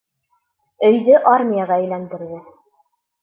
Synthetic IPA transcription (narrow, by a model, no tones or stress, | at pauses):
ɵ̆jðɵʔaɾmʲijɑʁɑæjlænd̪ɘ̆ɾðɘ